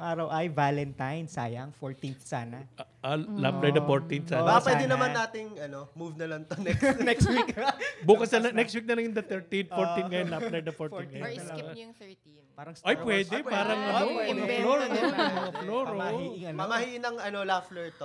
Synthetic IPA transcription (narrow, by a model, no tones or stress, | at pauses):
ŋʔaːɾɐwʔɐjvaːlɛnt̪ajnsaːjɐɐŋfoɹt̪inθsaːnɐ | alaflɐjd̪ɐfoɹt̪inθsaːɐpwɛd̪ɛnɐmɐaːt̪ɪŋʔɐnomuvnɐlɐŋt̪onɛknɛkst̪wikbuːkɐsnɐlɐnɛkst̪wik̚nɐlɐŋjʊŋd̪ɐt̪ɛɹt̪int̪foɹt̪inŋɐjonlalɐjd̪ɐfoɾt̪inɡ̪ɐjo | paːɾɐŋsʔɐjpwɛːd̪ɛpaːɾɐŋɐnoɐɐloɾmɐŋɐfloːɾohiɪŋɐnɐmɐɦiʔɪnɐŋɐnolaflɛɹt̪o